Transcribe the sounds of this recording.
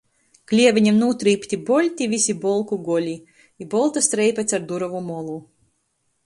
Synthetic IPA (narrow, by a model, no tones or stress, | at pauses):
klʲiɛvʲiɲʲɛmnuːt̪ɾiːpʲt̪ʲibɔlʲt̪ʲivʲisʲibɔlˠkuɡɔlʲi | ibɔlˠt̪ast̪ɾɛjpʲɛt̪saɾd̪uɾɔvumɔlˠu